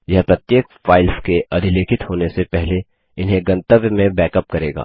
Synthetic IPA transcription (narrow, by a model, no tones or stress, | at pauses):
jɐɦpɾɐt̪jeːkfaːɪlskeʔɐd̪ʱɪleːkʰɪt̪hoːnesepɛɦle | ɪnɦẽɡɐ̃nt̪əʋjəmẽbɛːkəp̚kɐɾeːɡa̰ː